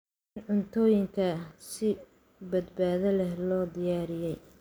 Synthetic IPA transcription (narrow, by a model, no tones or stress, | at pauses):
ɪnʕʊnt̪ʰɔːjɪŋkʰɐsɪ | bɐd̪baːðɐlɛɦlɔːd̪ɪjaːɾɪjɛj